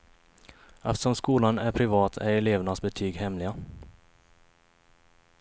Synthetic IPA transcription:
ʔɛft̪ə̥ʂɔmskuːlanæɾpʰɾɪvɑːt̪ʰæɾɛleːvnasbɛt̪ʰyːɡhɛmlɪɡa

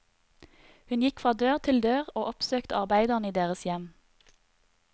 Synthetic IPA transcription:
hʉnjɪkfʁɑːd̪øːʁt̪ʰɪld̪øːʁoːʔɔpsøːkt̪əɑʁbæɪd̪əʁniːd̪eːʁəsjɛm

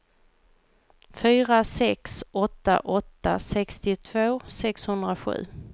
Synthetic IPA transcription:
fyːɾasɛksɔt̪ːa̰ʔɔt̪ːa̰sɛkst̪ɪt̪ʰvoːsɛkshɵnd̪ɾaɧʉ̟̰ː

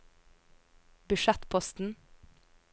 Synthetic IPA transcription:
bʉʃɛt̪pʰɔst̪n̩

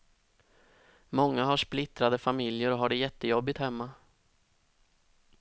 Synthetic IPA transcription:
mɔŋːaɦaʂplɪt̪ɾad̪əfamɪljəɾɔɦaɖɛjɛt̪ːəjɔbːɪt̪hɛmːa

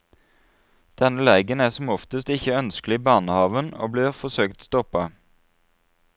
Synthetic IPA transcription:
d̪̥ɛnəlæɪɡənæːsɔmɔft̪əst̪ɪçəœnsklɪbɑːnəhɑːʋəno̰ːbliːʁfɔsøːkt̪st̪ɔpɑ

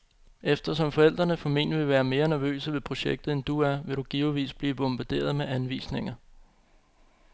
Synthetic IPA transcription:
efd̥ɐsɒ̽mfɒ̽el̰d̥ʁɐnəfɒ̽me̝n̰ʋe̝ʋæːɐme̝ːɐnæɐʋø̰ːsəʋe̝pʰʁo̝ɕeɡ̥̚d̥ð̩ˠend̥uæɐʋe̝ɾ̥uɡ̥iːʊʋḭːsb̥liːb̥ɔ̽mb̥æd̥e̝̰ːɐð̞ˠmeʔænʋḭːsne̝ŋ̰ɐ

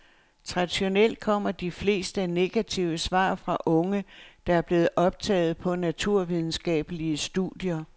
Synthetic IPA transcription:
t͡sʰʁɑ̈d̥iɕo̝nel̰d̥̚kʰɒ̽m̰ɐd̥ifle̝̰ːsd̥əne̝ɡ̥æt͡sʰiʊəsʋɑ̰̈ːfʁɑ̈ʔɔ̽ŋəd̥ɑ̈æɐb̥le̝ːð̩ˠʔɒ̽b̥̚t͡sʰɛ̰ːð̞̩ˠpʰɒ̽næt͡sʰuɐ̰ʋið̞ˠn̩sɡ̥ɛ̰ːb̥əliəsd̥uðˠjɐ

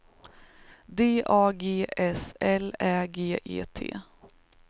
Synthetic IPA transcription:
d̪eːʔɑːɡeːʔɛsɛlæːɡeːʔḛːt̪ʰḛː

